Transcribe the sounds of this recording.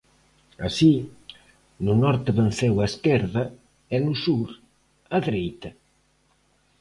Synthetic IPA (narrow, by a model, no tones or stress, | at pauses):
a̰si | nʊnɔɾt̪eβen̟θɛwaeskɛɾðɐ | enʊsuɾ | aðɾejt̪ɐ